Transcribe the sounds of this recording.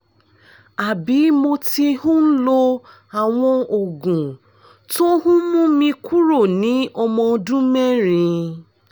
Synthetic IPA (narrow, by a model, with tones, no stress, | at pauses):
a˨bi˨˦mo˧ti˧hũ˦n̩˦lo˧ | a˨w̃ɔ̃˧o˨ɡũ˨ | tõ˦hũ˦mũ˦mĩ˧ku˦ɾo˦˨nĩ˨˦ʔɔ˧mɔ̃˧dũ˦mɛ˦ɾ̃ĩ˧